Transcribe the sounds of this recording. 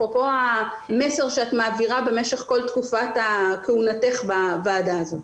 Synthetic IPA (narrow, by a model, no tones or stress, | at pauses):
popo̞a | me̞se̞ʁʃeat̪maːviʁabe̞me̞ʃe̞χko̞ltkufatakeunate̞χbavaːdaːzo̞